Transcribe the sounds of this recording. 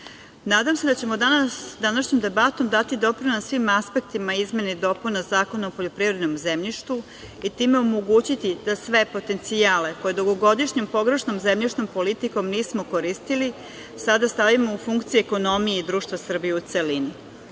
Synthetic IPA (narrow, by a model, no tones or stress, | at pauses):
naːd̪amse̞d̪at͡ɕe̞mod̪anasd̪anaʃɲomd̪e̞bat̪o̞md̪at̪id̪o̞pɾinasʋimaspe̞k̚t̪imaizme̞ned̪o̞punazaːko̞naopo̞ʎopɾivɾe̞d̪nomzemʎiʃt̪u | it̪iːmeomoɡuːt͡ɕit̪id̪asʋe̞po̞t̪e̞nt̪siaːle̞ko̞je̞d̪oɡo̞ɡo̞d̪iʃɲompo̞ɡɾe̞ʃnomzemʎiʃno̞mpo̞lit̪iko̞mniːsmo̞ko̞ɾist̪ili | sad̪ast̪aʋimoufuŋkt̪sijueko̞no̞mijeid̪ɾuːʃt̪ʋasr̩bijeut̪selini